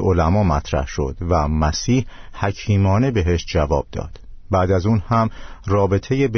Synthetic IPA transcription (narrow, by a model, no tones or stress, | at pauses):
olæmɒːmæt̪ʰɾæ̰hʃo̞̰d̪̥væmæsiːhhæcʰiːmɒːne̞be̞ɦe̞ʃd͡ʒævɒːb̥̚d̪ɒ̰ːd̪̥bæːd̪æzuːnhæmrɒːbe̞t̪ʰe̞jeb